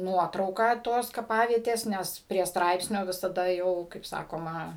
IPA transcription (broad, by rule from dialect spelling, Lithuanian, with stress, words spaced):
ˈnuɔtrɐʊkɑː ˈtoːs kɐˈpɑːʋʲiɛtʲeːs ˈnʲɛs pʲrʲiɛ ˈstrɐɪpʲsʲnʲoː ʋʲɪsɐˈdɐ ˈjɛʊ kɐɪp ˈsɑːkoːmɐ